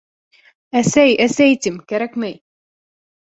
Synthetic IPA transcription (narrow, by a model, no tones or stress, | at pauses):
æsæjæsæjt̪ʲimkæɾækmæj